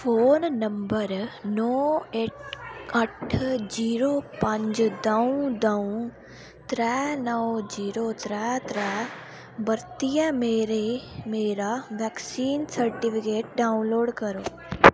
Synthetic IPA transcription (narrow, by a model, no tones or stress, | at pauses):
foːnːɐ̃mbəɾnɔːeʈɐʈʰd͡ʒiːɾoːpɐ̃ɲd͡ʒd̪ɐũd̪ɐũ | t̪ɾɛːnəʋd͡ʒiːɾot̪ɾɛːt̪ɾɛː | bɐɾt̪ijə̃meːɾemeːɾaʋɛːksiːnsɐɾʈɪpʰɪkeːʈ̚ɖaːʊnloːɖkɐɾoː